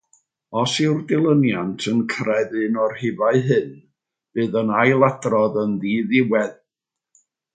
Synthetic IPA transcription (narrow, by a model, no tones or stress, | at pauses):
ɔsɪwrdɪlˠənjantʰənkʰrɛðɨnɔrhɪvaɨɦɨn | b̥ɨːðənajlˠadrɔðənðiːðɪwɛð